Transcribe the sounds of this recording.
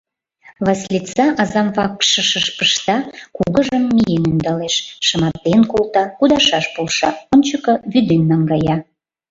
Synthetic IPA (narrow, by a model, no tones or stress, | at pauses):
βɑslʲit͡sɑʔɑzɑmvɑkʃəʃəʃpəʃt̪ɑkuɣəʒəmːijenynd̪ɑleʃʃəmɑt̪ːenkolˠt̪ɑkud̪ɑʃɑʃpulʃɑonʲt͡ɕəkɤ̆βyd̪enːɑŋɡɑjɑ